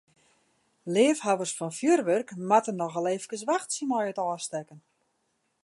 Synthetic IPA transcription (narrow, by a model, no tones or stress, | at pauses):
lɪəfhaʋərsfɔnfjørʋørkmatənːɔɣəleːfəkəsʋaxtsimɔjətɔːstɛkən